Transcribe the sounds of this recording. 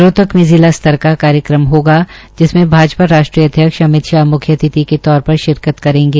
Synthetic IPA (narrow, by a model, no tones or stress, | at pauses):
ɾoːt̪əkmiziːlast̪ʰəɾkakaːɾjəkɾəmɦoːɡad͡ʒɪsmẽbʱaːd͡ʒpaɾaːʃʈɾiːɐd̪ʱjəkʃɐmɪt̪ʃamʊkʰjət̪ɪt̪iket̪ɔːɾpɐɾʃɪɾkət̪kɐɾẽːŋɡeː